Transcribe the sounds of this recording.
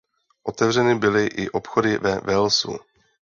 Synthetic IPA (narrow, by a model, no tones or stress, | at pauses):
ʔot̪ɛvr̝ɛnɪbɪlɪʔɪʔopxodɪvɛvɛlsṵ